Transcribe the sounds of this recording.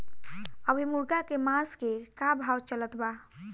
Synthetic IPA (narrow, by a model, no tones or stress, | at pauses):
əbʱimuɾɡakemaskekabʱawt͡ʃələt̪ba